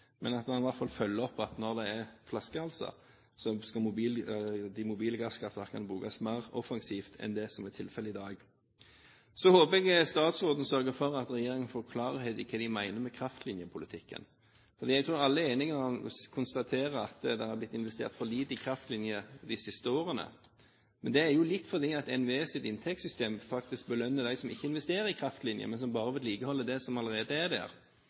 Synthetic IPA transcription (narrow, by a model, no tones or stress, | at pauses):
mɛnɑt̪mɑnɪʋæʁt̪fɑlfœlːəɔpːɑt̪nɔʁd̪ɛɛʁflɑskəhɑlsɑ̰ | sɔskɑmʊbiːld̪ɪmʊbiːləɡɑskɑt̪ɑkʰɑnbuːɡɑsmæɪʁɔfɑŋsiːft̪ʰɛ̰nd̪ɛsɔmɛt̪ʰɪlfɛləɪd̪ɑːɡ | sɔhoːpɛɡst̪ɑːt̪sʁoːd̪ən̩sœɾɡəfɔʁɑt̪ɾɛjeːɾɪŋənfoːʁkʰlɑːʁəhɛd̪ɪkʰɛːd̪ɪmæɪnəmɛkʰɾɑft̪lɪnjəpʰʊlɪt̪ʰɪkːə̰n | fɔʁd̪iːɛɡ̚t̪ʰɾuːɾɑlːəeːnɪŋəɑkʰʊnst̪ɑt̪ʰeːʁəɑt̪d̪ɛhæblɪt̪ːɪnʋɛst̪ḛːɾt̪fɔliːd̪ɪkʰɾɑft̪lɪnjəd̪ɪsɪst̪əoːɾənə̰ | mɛnd̪ɛæɾjʊlɪt̪ːfɔɾd̪iːɑt̪ɛnʋesɪt̪ɪnt̪ʰɛkt̪sʏst̪eːmfɑk̚t̪ɪsk̚bəlœnːəd̪æɪsɔmɪ̰çːəɪnʋɛst̪eːɾəɾɪkʰɾɑft̪lɪnjə̰mɛnsɔmbɑːʁəʋɪd̪liːkəhɔlːəd̪ɛsɔmɑləɾeːd̪əæd̪æ̰ːɾ